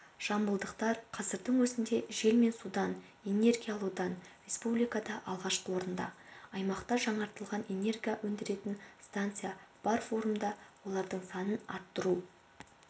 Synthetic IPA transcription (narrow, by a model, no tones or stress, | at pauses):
ʒ̥ɑmbəlˠd̪əqt̪ɑɾqʰɑzəɾd̪əɴwɵzɪnd̪e̞ʒe̞lme̞nsud̪ɑn | e̞ne̞rɡʲijalˠud̪ɑnrʲe̞spublijkad̪ɑʔɑlˠʁɑʃqəwo̞ɾənd̪ɑ̰ɑjmɑqt̪ɑʒɑɴɑɾt̪əlˠʁɑne̞ne̞rɡʲijawʔɵnd̪ɪɾe̞t̪ɪnst̪ant̪sɨjab̥ɑɾfo̞ɾumd̪ɑwo̞lˠɑɾd̪əɴsɑnənɑɾt̪ːəɾu